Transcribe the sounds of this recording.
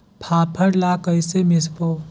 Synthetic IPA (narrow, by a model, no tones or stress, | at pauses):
pʰaːpʰəɾlakəjsemɪsboː